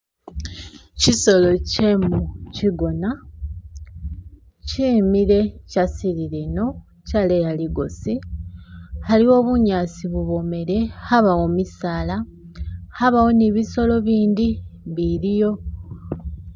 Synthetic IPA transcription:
ciso̞lo̞cemuciɡo̞na | ciːmiɾe̞casiɾileno̞ | calejaliɡo̞si | haliwo̞ːβuɲaːsiβuβo̞me̞ɾe̞haβawo̞misaːla | haβawo̞niβiso̞lo̞βiːndiβiɾijo̞

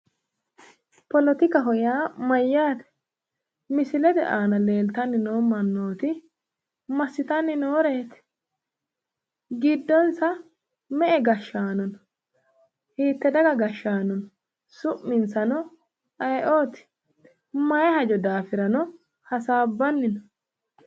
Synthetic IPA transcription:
pɔlɔt̪ɪkɐɦɔjaːmɐjːaːt̪ɛ̥ | mɪsɪlɛd̪ɛʔaːnɐle̞ːlt̪ɐnːɪno̞ːmɐnːoːt̪ɪ | mɐsːɪt̪ɐnːɪnoːɾe̞ːt̪ɛ̥ | ɡɪd̪ːɔnsɐ | mɛʔɛɡɐʃːaːnɔnɔ | hiːt̪ːɛd̪ɐɡɐɡɐʃːaːnɔn | sʊʔmːɪnsɐnɔ | ɐjʔoːt̪ɪ̥ | mɐjɛhɐd͡ʒɔd̪aːfɪɾɐnɔ | hɐsaːbːɐnːɪnɔ

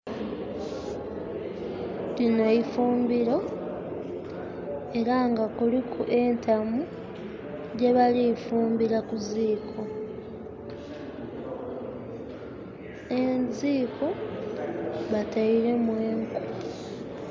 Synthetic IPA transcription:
lino̞ifuːmbiɾo̞ | e̞ɾaŋɡakulikʰuʔe̞ntʰamu | ɟe̞βalifuːmbiɾakuziːkʰo̞ | e̞nziːkʰo̞ | βataiɾe̞mwe̞ːŋku

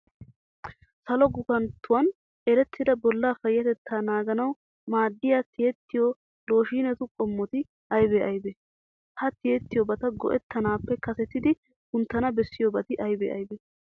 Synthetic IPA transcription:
sɐlɔɡʊkɐnt̪ʰːʊwɐn | ɛɾɛt̪ʰːɪd̪ɐbɔlːaːfɐjːɐt̪ɛt̪ʰːaːnaːɡɐnɐw | maːd̪ːɪjat̪ɪjɛt̪ːɪjo | lo̞ːʃiːnɛt̪ʊkʼɔmːɔt̪ɪ | ʔɐjbeʔɐjbe | hɐt̪ɪjɛt̪ːɪjɔbɐt̪ɐɡɔ̰ʔɛt̪ːɐnaːpːɛkɐsɛt̪ːɪd̪ɪ | kʊnt̪ːɐnɐbɛsːɪjobɐt̪ɪʔɐjbḛːʔɐ̰jbe

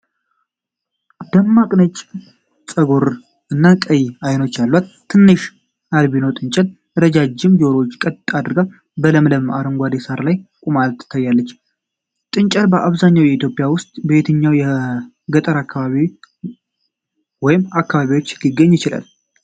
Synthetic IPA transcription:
d̪̥əmːakʼnət͡ʃʼ | sʼəɡo̞ɾ | ɨnːakʼəjajno̞t͡ʃːalːwat̪ʰːɨnːɨʃ | ad̪βinowt̪ʼɨnt͡ʃʼəd̪ | ɾəd͡ʒad͡ʒːɪmd͡ʒo̞ɾot͡ʃːkʼət̪ʼad̪ɨɾɡal | bələmləmaɾəŋɡʷad̪esaɾlajkʼumalt̪ʰːɨ̥t̪ʰːajːalːət͡ʃː | t̪ʼɨnt͡ʃʼəlbəʔaβzaɲːawjɛit̪jo̞pʼijawʊst̪ʼbet̪ʰəɲːawjɛ | ɡət̪ʼəɾakːaβaβi | wɔjɪmakːaβaβiwot͡ʃːlɪɡːəɲːjɪt͡ʃɪla̰l

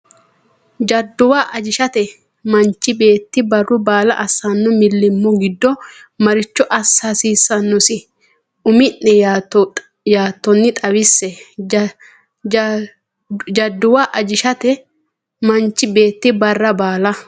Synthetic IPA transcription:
d͡ʒɐd̪ːʊwaːʔɐd͡ʒɪʃɐt̪ɛ | mɐnt͡ʃːɪbe̞ːt̪ːɪbɐrːʊbaːlɐ̰ʔɐsɐnːʊmɪlːɪmːʊɡɪd̪ːɔ | mɐɾɪt͡ʃːɔʔɐsɐsiːsːɐnːɔsɪ | ʊmɪnːɛ | jaːt̪ːɔnːɪt̪ʼɐwɪsːɛ | d͡ʒɐd̪ːʊwaːʔɐd͡ʒɪʃɐt̪ɛ | mɐnt͡ʃːɪbe̞ːt̪ːɪbɐrːɐbaːlɐ

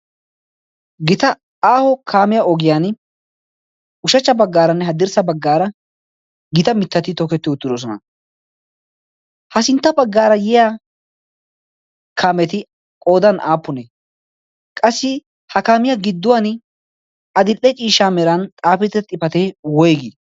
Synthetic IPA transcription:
ɡɪt̪ɐ | aːhɔkʰaːmɪjaɔɡɪjaːn | ʊʃɐt͡ʃːɐbɐɡːaːɾɐnːɛɦɐd̪ɪɾsɐbɐɡːaːɾɐ | ɡɪt̪ɐmɪt̪ːɐt̪ɪt̪ɔkɛt̪ːɪʊt̪ːɪd̪os̬ɔnɐ̰ | hɐsɪnt̪ːɐbɐɡːaːɾɐjɛjaː | kʰaːmɛt̪ɪ | kʼo̞ːd̪ɐnʔaːpːʊnɛ | kʼɐsːɪ | hɐkaːmɪjaɡɪd̪ːʊwan | ɐd̪ɪlʔːɛt͡ʃʼiːʃaːmɛɾɐnt̪ʼaːfɪt̪ːɛt̪ʼːɪpɐt̪ewɔjɡɪ

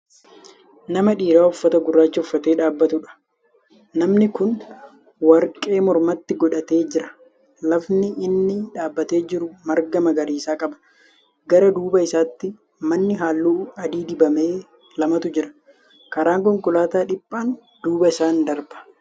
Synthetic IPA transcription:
nɐmɐᶑiːɾaːʊfːɐt̪ɐɡʊrːaːt͡ʃːɐʊfːɐt̪e̞ːᶑaːbːɐt̪ʊᶑɐ̥ | nɐmnɪkʊn | wɐɾkʼe̞ːmɔɾmɐt̪ːɪɡɔᶑɐt̪e̞ːd͡ʒɪɾɐ̥ | lɐfnɪːnːɪᶑaːbːɐt̪e̞ːd͡ʒɪɾʊmɐɾɡɐmɐɡɐɾiːsaːkʼɐbɐ̥ | ɡɐɾɐd̪uːbɐɪsaːt̪ːɪ | mɐnːɪɦaːlːuːɐd̪iːd̪ɪbɐme̞ː | lɐmɐt̪ʊd͡ʒɪɾɐ̥ | kɐɾaːŋkɔŋkʊlaːt̪aːᶑɪpʼːaːn | d̪̥uːbɐɪsaːnd̪ɐɾbɐ̥

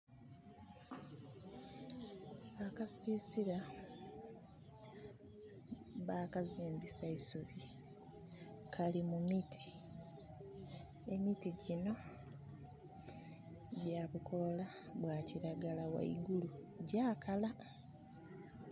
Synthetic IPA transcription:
akasiːsiɾa | βaːkaziːmbisaisuβi | kʰalimumitʰi̥ | emitiɟino̞ | ɟaβukʰo̞la | βwaciɾaɡalawa̰ḭɡulu | ɟaːkala

